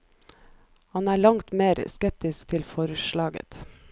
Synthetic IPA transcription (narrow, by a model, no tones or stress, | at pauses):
hɑnæːɭɑŋt̪meːɾskɛp̚t̪ɪskt̪ʰɪlfɔɾʃɭɑːɡə̰t̪